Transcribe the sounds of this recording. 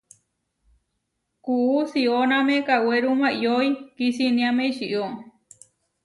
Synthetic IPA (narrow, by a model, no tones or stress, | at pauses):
kuusionãmẽkaweɾumãioikisinĩãmẽʃiʔo